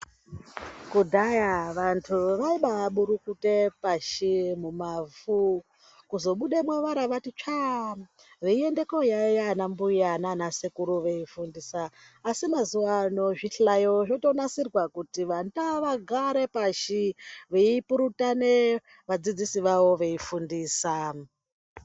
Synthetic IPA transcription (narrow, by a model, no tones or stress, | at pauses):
kudʱajaʋantʰuʋaiɓaʋaɓuɾukute̞paʃimumavu | kuzo̞ɓuɗemweʋaɾaʋatit͡ʃa | ʋeiende̞kojajanambujananasekuɾuʋeifundisaː | simazuwanoʐiɬajoʐoto̞nasirwakutiʋandaʋaɡʱaɾe̞paʃiʋeipuɾutane | ʋad͡zid͡zisiʋaʋo̞ʋe̞ifundiːsa